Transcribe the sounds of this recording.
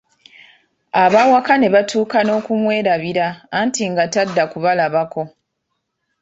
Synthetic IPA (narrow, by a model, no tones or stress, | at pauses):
aβaːwakane̞βatʰuːkano̞ːkumwe̞ːɾaβiɾaːntiŋɡatadːakuβalaβako̞